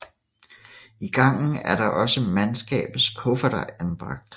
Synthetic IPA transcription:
iɡ̥ɑ̈ŋ̰n̩æɐɾ̥ɑ̈ʔɒ̽səmænsɡ̥ɛ̰ːb̥ð̩ˠskʰɔfɐd̥ɑɪænb̥ʁɑ̈ɡ̥̚d̥

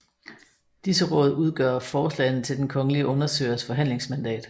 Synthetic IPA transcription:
d̥isəʁɔ̰̽ːðˠuð̞ˠɡ̥ɶɐfɒːslɛ̰ɪnət͡sʰe̝ld̥enkʰɒ̽ŋəliəʔɔ̽nɐsø̰ɪɐsfɒ̽ɦæn̰le̝ŋsmænd̥ɛ̰ːd̥

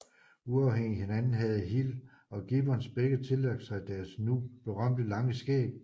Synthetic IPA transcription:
uɑ̈ʊheŋ̰ihe̝nænn̩ɦæð̞̩ˠɦil | ɒ̽ɡ̥ibɒnsb̥eɡ̥ət͡sʰe̝lɑɡ̥sɑ̈ɪd̥æɐsnub̥e̝ʁɶm̰d̥əlɑ̈ŋəsɡ̥ɛ̰ːb̥̚

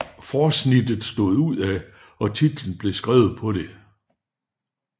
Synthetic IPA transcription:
fɒːsnid̥ð̩ˠsd̥o̝ð̞̩ˠuð̞̰ˠæ | ɒ̽t͡sʰid̥ln̩b̥le̝sɡ̥ʁa̰ːʊð̞̩ˠpʰɒ̽ɾ̥e̝

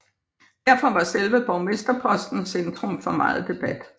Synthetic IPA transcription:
d̥æɐfɒ̽ʋɑ̈selʋəb̥ɒʊme̝sd̥ɐpʰɒ̽sd̥n̩send̥ʁɔ̽mfɒ̽mɑ̰̈ːð̞̩ˠd̥e̝b̥æd̥

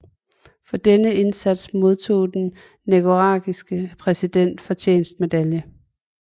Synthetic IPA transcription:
fɒ̽d̥enəe̝nsæd̥smo̝ð̞ˠt͡sʰo̝̰ːd̥enː | eɡ̥o̝ʁɑ̈ɡ̥isɡ̥əpʰʁɛsid̥en̰d̥fɒ̽t͡ɕʰḛːnsd̥̚me̝d̥æljə

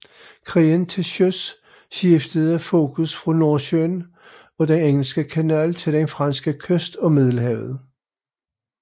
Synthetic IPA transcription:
kʰʁint͡sʰe̝ɕøs | ɕifd̥əð̩ˠæfo̝ːkʰusfʁɑnoːɕøn | ɒ̽d̥eneŋl̩sɡ̥əkʰænɛ̰ːlt͡sʰe̝ld̥enfʁɑnsɡ̥əkʰøsd̥ɒ̽með̞ˠləɦɛ̰ːʊð̩ˠ

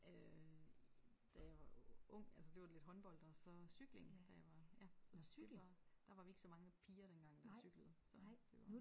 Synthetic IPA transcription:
ø | d̥æjɑ̈ɪʋɑ̈ɔ̽ŋ̰ælsəd̥e̝ʋɑ̈le̝d̥ɦɒ̽nb̥ɒ̽l̰d̥ɒ̽sɒ̽syɡ̥le̝ŋd̥æjɑ̈ʋɑ̈jæsɒ̥̽e̝ɑ̈d̥ɑ̈ʋɑ̈ʋie̝ɡ̥əsɒ̽mɑ̈ŋəpʰiːɐɾ̥enɡ̥ɑ̈ŋ̰d̥ɑsyɡ̥ləð̞̩ˠsɒ̽d̥e̝ʋɑ

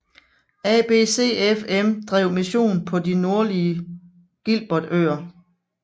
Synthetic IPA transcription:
æb̥e̝ːse̝̰ːefemd̥ʁɛ̰ʊmiɕo̝̰ːn̩pʰɒ̽dino̝ɐliə | ɡ̥il̰b̥ɒd̥ø̰ːɐ

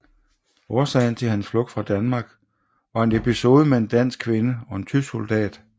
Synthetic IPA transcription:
ɒːsɛɪn̩t͡sʰe̝hænsflɔ̽ɡ̥fʁɑ̈d̥ænmɑ̈ːɡ̥ | ʋɑ̈e̝ne̝piso̝ːð̞ˠəmee̝nd̥æn̰sɡ̥kʰʋe̝nəɒ̽e̝nt͡sʰysɡ̥so̝ld̥ɛ̰ːd̥

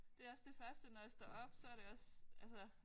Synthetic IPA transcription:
d̥e̝æɐɒ̽sd̥e̝fɶɐsd̥ənɒjɑsd̥ɒːɒ̽b̥sɒ̽æɐɾe̝ɒ̽sʔælsə

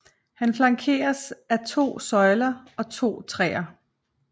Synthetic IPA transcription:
hænflɑ̈ŋkʰe̝̰ːɐsæt͡sʰo̝̰ːsɒ̽ɪlɐɒ̽t͡sʰo̝̰ːt͡sʰʁɛ̰ːɐ

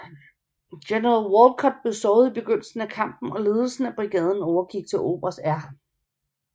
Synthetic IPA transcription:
d̥enəʁɑlwɒlkʰɒ̽d̥̚b̥le̝ʊsɒːʊð̩ˠib̥e̝ɡ̥øn̰l̩sn̩ækʰɑ̈m̰b̥n̩ɒ̽le̝ːð̞ˠl̩sn̩æb̥ʁiɡ̥ɛːð̞ˠn̩ɒʊɐɡ̥iɡ̥̚t͡sʰe̝ʔo̝̰ːb̥ɐsæɐ̰

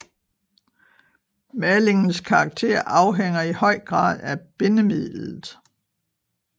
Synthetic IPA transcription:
mæle̝ŋn̩skʰɑ̈ːɡ̥̚t͡sʰe̝̰ːɐʔɑ̈ʊɦeŋ̰ɐihɒ̽ɪ̰ɡ̥ʁɑ̰̈ːðˠæb̥e̝nəmið̰ˠl̩ð̩ˠ

